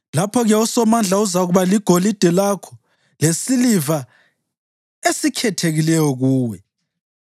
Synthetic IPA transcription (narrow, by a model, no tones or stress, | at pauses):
lapʰɔɣɛusɔmand͡ɮʱauzaɣuβaliɡ̥ʱolid̥ʱɛlakʰɔ̥ | lesiliva | esikʰɛtʰeɣilɛjɔɣuːwɛ